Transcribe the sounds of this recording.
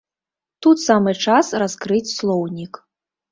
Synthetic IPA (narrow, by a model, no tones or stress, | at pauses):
t̪ut̪samɨt͡ʂasraskɾɨt͡sʲslˠɔwnʲik